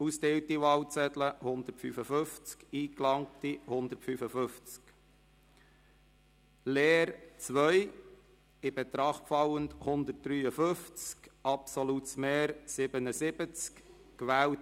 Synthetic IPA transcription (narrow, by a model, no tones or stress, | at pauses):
ust̪ewtiʋɑwt͡sɛtləhʊnd̪ətfyfəføft͡skiːklɑŋ̚tihʊnd̪ətfyfəfʏft͡sk | leːɾt͡sʋœj | ɪb̥ɛt̪ɾɑχtfɑwəndhʊnd̪ət̚d̥ɾyːəfɵft͡skʔɑpsɔlutsmeːɾsɪbənəsɪb̥ət͡sk | kʋæːw